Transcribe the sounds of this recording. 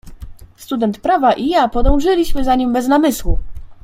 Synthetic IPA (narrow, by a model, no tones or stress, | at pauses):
st̪ud̪ɛnt̪pɾavaʔijapɔd̪ɔ̃w̃ʐɘlʲiɕmɘzaɲimbɛznamɘswu